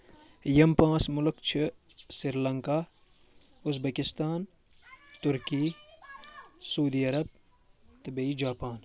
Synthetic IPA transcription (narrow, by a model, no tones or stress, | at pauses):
jɐmpãːsmʊlkt͡ʃʰɪ | siɾlɐŋkaː | ʊzbekɪst̪aːn | t̪ʊɾkiː | sɐud̪iːɐɾɐb̚ | t̪ɐbeid͡ʒaːpaːn